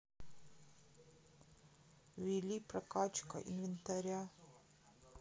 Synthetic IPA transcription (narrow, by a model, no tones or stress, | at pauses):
wilipɾakat͡ʃka̰ʔḭnvint̪aɾja